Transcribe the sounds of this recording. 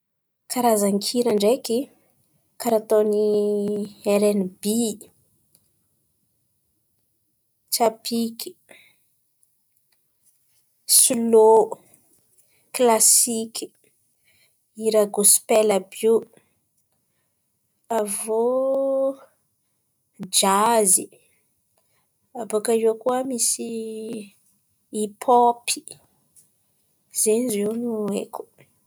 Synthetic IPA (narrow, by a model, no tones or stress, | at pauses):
kʰaɾazaŋkʰiɾaɳɖ͡ʐeki | kaɾat̪oni | eɾenbi | t͡ʃapikʲi̥ | sulo | klasikʲi̥ | iɾaɡuspɛlabu | avo | d͡ʒazi | abokajokuamisi | ipʰɔpʰi̥ | z̥enzewnuḛku̥